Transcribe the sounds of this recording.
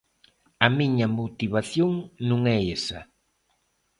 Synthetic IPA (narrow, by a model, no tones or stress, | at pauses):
ɐmiɲɐmot̪iβ̞aθjoŋnũŋɛesɐ̰